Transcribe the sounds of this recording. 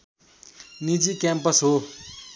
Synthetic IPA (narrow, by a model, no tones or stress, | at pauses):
nid͡ʒikɛmpəsɦo